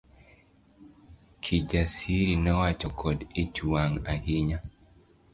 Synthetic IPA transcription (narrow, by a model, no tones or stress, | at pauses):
kʰid͡ʒasiɾinɛwat͡ʃɔkʰɔdet͡ʃuaŋahiɲa